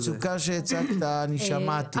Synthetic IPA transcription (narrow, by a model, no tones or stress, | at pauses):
t͡sukaʃet͡sakt̪aniʃamat̪i